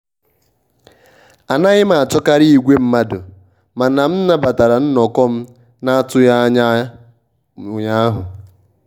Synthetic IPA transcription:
a˨na˦ɣɪ˦ma˨a˨t͡ʃɔ˦ka˦ɾi˦i˨ɡʷe˦m̩˦ma˦dʊ˨ | ma˨na˨m̩˦n̩˦na˦ba˨ta˨ɾa˨n̩˦nɔ˨kɔ˦m̩˦ | na˦a˦tʊ˦ja˦ɲa˦˨ | ɲa˦ɦʊ˨

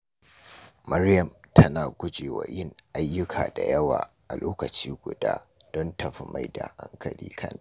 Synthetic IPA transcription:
mɐ˦rjɐ˨mtʰɐ˦naː˨ɡʷʊ˦d͡ʒeː˨wa̰˨jɪ˦ŋʔa˦jːʊ˦kʰaː˨da˨jɐ˦waː˨ʔa˨loː˦kɐ˨t͡ʃiː˦ɡʷʊ˨daː˦d̥ɔ˦ntɐ˨ɸi˦ma˦˨jda˨ʔa˦ŋkʰɐ˨lḭː˦kʰɐ˦na˨

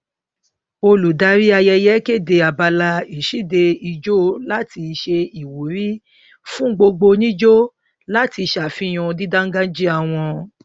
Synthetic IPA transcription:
o˧lu˨da˧˦ɾi˦a˧jɛ˧jɛ˦ke˦˨de˧a˨ba˧la˧i˨ʃi˦˨de˧i˧d͡ʒo˦la˦ti˧ʃe˧i˨wu˨˦ɾi˦ | fũ˦ɡ͡bo˧ɡ͡bo˧nĩ˦d͡ʒo˦ | la˦ti˧ʃa˨fĩ˦j̃ɔ̃˧di˦da˦ŋ̩˦ɡã˦d͡ʒi˦a˧˨w̃ɔ̃˧

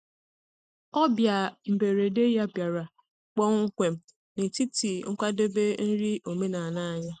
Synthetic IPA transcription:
ɔ˦bja˨m̩˨be˨ɾe˨de˦ja˦bja˨ɾa˨ | k͡pɔ˦ŋ̩˦kʷe˨m˨ | ne˨ti˦ti˨ŋ̩˦kʷa˦de˦be˦n̩˦ɾi˦o˨me˦na˨na˦a˨ɲa˦

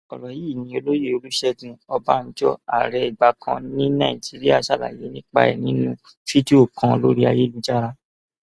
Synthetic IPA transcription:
ɔ˨lɔ˨ji˦˨nĩ˨˦o˧lo˦je˦o˧lu˦ʃɛ˦dũ˧ɔ˧ba˦n̩˦d͡ʒɔ̰˦a̰˦˨ɾɛ˨˧i˨ɡ͡ba˧kʰã˧nĩ˦nã˦˨i˨d͡ʒi˨˦ɾi˦a˦˨ʃa˦˨la̰˨je˨˦nĩ˦k͡pa̰˧˦ɛ̰˨nĩ˨˦nũ˧ | fi˦di˦o˦˨kʰã˧˦˧lo˦ɾi˦a˧je˦lu˦d͡ʒa˦˨ɾa˦

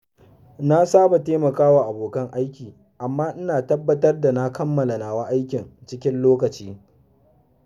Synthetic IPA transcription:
na˦saː˦ba˨teː˦mɐ˨kaː˦wa˨ʔa˨boː˨kɐ˦ŋʔa˦jkʲiː˨ | ʔa˨mːaː˦ʔɪ˦naː˨tɐ˦bːɐ˦tɐ˦rda˨na˦kɐ˦mːɐ˨la˨naː˨wa˦ʔa˦jkʲɪ˨nt͡ʃɪ˦kʲɪ˦nloː˦kɐ˨t͡ʃiː˦

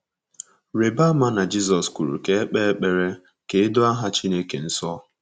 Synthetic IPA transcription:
ɾe˨ba˦ma˦na˨d͡ʒi˦sɔ˨sku˨ɾṵ˨ke˨˦e˦k͡pe˦e˦k͡pe˨ɾe˦ | ke˨ɪ˦dʊ˦a˦ɦa˦t͡ʃi˦ne˦kḛ˨n̩˦sɔ˦

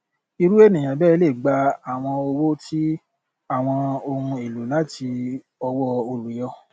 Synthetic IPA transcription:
i˧ɾu˦e˦˨nĩ˨j̃ã˨bɛː˦˧le˦˨ɡ͡ba˧a˨w̃ɔ̃˧o˧wo˦ti˦ | a˦˨w̃ɔ̃˧o˧hũ˧e˨lu˨˦la˦tʰi˧ | ɔ˧wɔ˦o˧lu˨jɔ˧˦

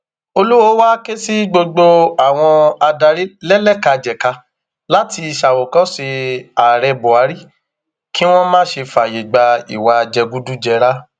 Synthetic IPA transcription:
o˧lu˦wo˨˦wa˦ke˦si˦ɡ͡bo˧ɡ͡bo˧a˨w̃ɔ̃˧a˧da˧ɾi˦lɛ˦lɛ˦˨ka˧d͡ʒɛ˨ka˧ | la˨˦ti˧i˧ʃa˨wo˨kɔ̃˨˦si˧a˨ɾɛ˧bo˨a˨˦ɾi˦ | ki˦w̃ɔ̃˦mãː˦ʃe˧fa˨je˨ɡ͡ba˧ḭ˨wa˧d͡ʒɛ˧ɡu˦du˦d͡ʒɛ˧ɾa˦

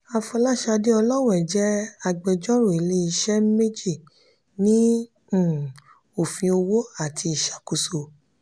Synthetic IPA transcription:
a˧fɔ˧la˦ʃa˧de˦ɔ˧lɔ˦w̃ɔ̃˦ɛ˨d͡ʒɛ˦a˧ɡ͡bɛ˧d͡ʒɔ̃˦ɾo˨e˨le˦i˧ʃɛ˦me˦d͡ʒi˦˨ | nĩ˦˨ | o˨fĩ˧o˧wo˦a˦˨tʰi˧i˨ʃḁ˨ku˨˧so˧˨

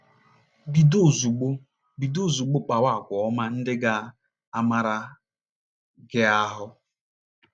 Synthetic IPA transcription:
bi˨do˦˨zu˨ɡ͡bo˦ | bi˨do˦˨zu˨ɡ͡bʊ˦k͡pa˨wa˦˨kʷɔ˨ɔ˦ma˦n̩˦dɪ˦ɡa˦ | a˦ma˦ɾa˦ | ɡɪ˦a˦ɦʊ˦

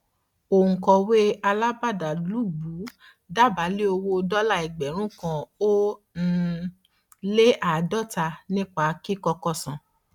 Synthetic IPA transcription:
o˨ŋ̩̃˨kɔ˧we˦a˧la˦ba˦˨da˨lu˨˦ɡ͡bu˨˦ | da˦˨ba˨˦le˦o˧wo˧dɔ˦la˦˨i˨ɡ͡bɛ˨ɾ̃ũ˦kã˧o˦ | n̩˦ | le˦ʔa˨dɔ˦˨ta˧nĩ˦k͡pa˦˨˦ki˦kɔ˧kɔ˦˨sã˨

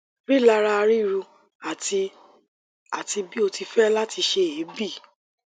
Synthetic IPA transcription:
ɾi˦˨la˧ɾa˧ɾi˦˨ɾu˧ | a˨i˧ | a˨ti˧bi˦o˧ti˧fɛ˦la˦tʰi˧ʃe˧e˨˦bi˦˨

